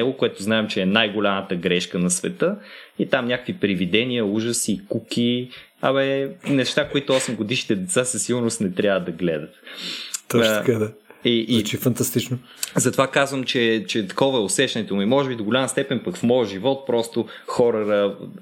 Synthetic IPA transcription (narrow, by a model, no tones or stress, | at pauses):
ɛlˠokoɛt̪ʊznaɛmt͡ʃɛːnajɡolʲamət̪əɡɾɛʃkənɐsvɛ̰t̪əit̪amnʲakə̥kvipɾivid̪ɛniəuʒəsikuki | amɛnɛʃt̪akoit̪ʊɔsɛmɡod̪iʃnit̪ɛd̪ɛt̪sasɐsːiɡʊɾnost̪nɛt̪ɾʲjavəd̪ɐɡlɛ̰d̪ət̪t̪ɔʃkad̪aiʔːt͡ʃifɐnt̪ɐst̪it͡ʃnʊ | zɐt̪ovakazvəmt͡ʃɛt͡ʃɛt̪ɐ̥kɔvəɛosɛʃt̪ɐnɛt̪omimɔʒɛbid̪oɡolʲaməst̪ɛpɛnpɐkfmɔjəʒivɔt̪̚pɾɔst̪oxɔɾəɾə